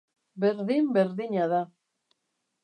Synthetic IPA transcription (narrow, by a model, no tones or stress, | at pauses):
be̞ɾðimbe̞ɾðiɲaða